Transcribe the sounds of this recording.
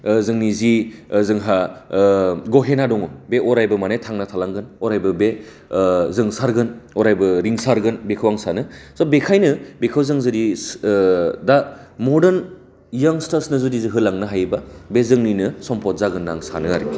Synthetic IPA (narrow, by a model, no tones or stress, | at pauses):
zɯŋnizizɯŋɦa | ɡɔɦenadɔŋɔbeʔɔɾajbɐmanetʰaŋnatʰalaŋɡɯnɔɾajbɯbe | zɯŋsaɾɡɯnɔɾajbɯɾiŋsaɾɡɯnbekʰɯwaŋsanɯsabekʰajnɯbekʰɯwzɯŋzɯɾi | da | mɔdɯn | jaŋstasnɯzudiziɦɯlaŋnɯɦajbabezɯŋninɯsɔmpɔt̚zaɡɯnːa̰ŋsa̰nɯa̰ɾḭ